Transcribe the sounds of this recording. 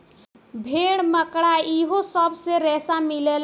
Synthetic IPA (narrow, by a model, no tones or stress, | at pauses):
bʱeɽ̃məkɽaiɦosəbʱseɾɛsamilel